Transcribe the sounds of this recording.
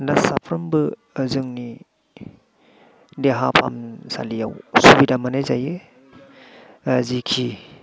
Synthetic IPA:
nasapʰɾɯmbɯ | zɯŋni | deɦapʰa̰msa̰lijawsubidamanajzaje | zikʰi

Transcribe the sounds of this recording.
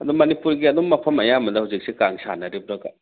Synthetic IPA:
ɐd̪umɐnipuɾɡiɐd̪umːɐpʰɐmɐjamɐdɐhawzik̚sikaŋsa̰nɐɾibuɾɐɡɐ

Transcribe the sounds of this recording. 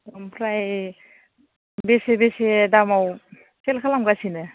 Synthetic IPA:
dampʰɾaj | besebesedamaw | sʰelkʰalamɡasinɯ

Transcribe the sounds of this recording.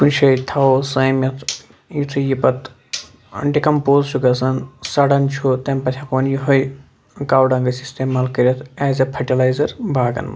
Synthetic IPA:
kunʃʰɐjt̪ʰaosɐːmɐt̪ʰ | jit̪ʰɨjipɐt̪ | ɐ̰ɳɖikɐmpoːzt͡ʃʰukɐsɐnsɐɽɐnt͡ʃʰoːt̪ɐmpɐt̪ʲʰɐkoːnjiɦoj | kaːwɖɐŋɡɐsist̪eːmaːlkɐɾʲɐt̪ʰeːzɐpʰɐʈilaːjzɐɾbʱaːɡɐ̰nmɐ̰

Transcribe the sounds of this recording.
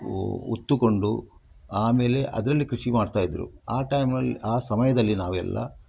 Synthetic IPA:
ṵt̪ːuko̞ɳɖu | aːme̞ːle̞ʔɐ̰d̪ɐɾɐlːikɾuʃimaːɖt̪aːjid̪ɾṵaːʈɐjmnɐlːaːsɐmɐjɐd̪ɐlːinaːʋuɛ̰lːɐ̰

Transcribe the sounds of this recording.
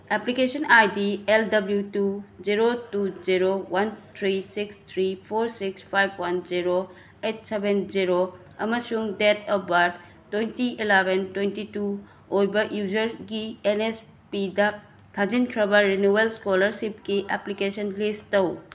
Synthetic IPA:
eplikesɔnajdieldɐbljutud͡ʒiɾotuziɾowant̪ʰɾisikst̪ʰɾipʰoɾsikspʰajb̚ʰwɐnziɾo | et̚ʰsebenziɾo | ɐmɐsuŋdetɐbɐɾd | tːwejntiʔilebʱentwejntitu | ojbɐʔjuzɐɾɡienes | pidɐ | t̪ʰad͡ʒinkʰɾɐbɐɾinuelskolɐɾsip̚kiʔeplikesɔnlistɐw

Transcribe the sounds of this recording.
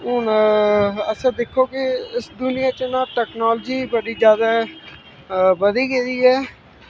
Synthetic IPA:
ʊn | əsãːd̪ekʰːoːkɪɪsd̪ʊnɪjãːt͡ʃənãːʈɛːknaːld͡ʒiːbəɽiːd͡ʒjaːd̪aː | bəd̪iːɡeːɾiːɛː

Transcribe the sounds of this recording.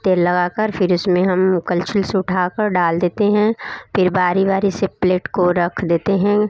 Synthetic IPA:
t̪eːɾlɐɡaːkəɾfɪɾʊsmẽɦɐmkɐlt͡ʃɪlsʊʈʰaːkəɾɖaːld̪eːt̪eɦɛ̃fɪɾbaːɾibaːɾisɪpleːʈkoɾɐkʰd̪eːt̪eɦɛ̃ː

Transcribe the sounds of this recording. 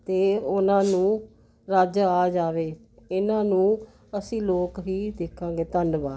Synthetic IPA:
t̪eːʊnãːnũː | ɾaːd͡ʒaːd͡ʒaːʋeː | ɪnãːnũː | əsĩːloːkɦiːd̪eːkʰːãːɡeːt̪ənɖbaː

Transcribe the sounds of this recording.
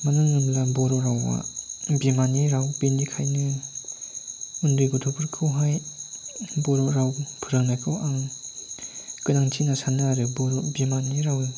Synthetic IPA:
manɯŋːɯmlabɔɾɔɾawa̰bimaniɾawpendikʰajnɯ | undɯjɡɔtʰɔpʰɯɾkʰɯwɦaj | bɔɾɔɾawpʰɯɾaŋnajkʰɯwaŋ | kɯnaŋtʰinasanɯaɾɯbɔɾɔbimaniɾawi

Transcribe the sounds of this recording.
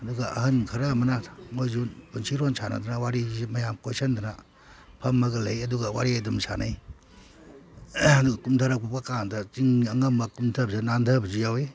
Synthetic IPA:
ɐduɡaʔɐɦɯnkʰɐɾamɐnaŋojzubunsʰiɾɔnsʰana̰dɯnawaɾizimɐjamkosɐndana | pʰɐmːɐɡɐlɐjɐduɡawaɾiajdumsa̰na̰j | ɐduɡakumtʰaɾapʰup̚kakandat͡ʃiŋɐŋɐmbakumtʰɐbzanandʰɐbɐzijawe

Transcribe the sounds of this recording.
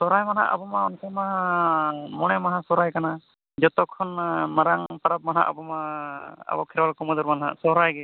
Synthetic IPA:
sɔɾajmanɦa̰ʔa̰bɔmaɔnkʰɛmaɦa | mɔɽ̃ɛmaɦãsɔɾajkana | d͡ʒɔt̪ɔkʰːɔnmaɾaŋpaɾap̚manɦa̰ʔa̰bɔmaa̰bɔkʰɛɾwalkɔmɔd̪ɔɾmanɦa̰ʔsɔɾajɡɛ

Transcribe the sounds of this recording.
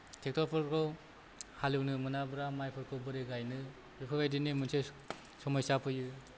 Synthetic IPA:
tʰek̚tɔpʰɯɾkʰɔw | halɯwnɯmɯnabɾamajpʰɯɾkʰowbɯɾeɡajnɯ | bikʰɯɡajdinemɯnse | sɔmajsapʰɯjɯ

